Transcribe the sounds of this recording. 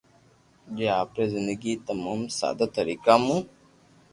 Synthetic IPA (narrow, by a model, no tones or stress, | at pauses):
d͡ʒeaːpɾezɪnd̪əɡit̪ɐmuːmsa̰ːd̪at̪ɐɾiːkamũ